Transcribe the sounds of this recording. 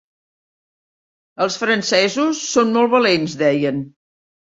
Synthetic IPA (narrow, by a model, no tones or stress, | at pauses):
əlˠsfɾənsɛzusːonmɔlˠβəlenzðɛjən